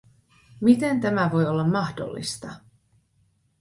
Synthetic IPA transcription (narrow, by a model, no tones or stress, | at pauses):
mit̪e̞nt̪æmæʋo̞jo̞lːɑmːɑhdo̰lːḭst̪ɑ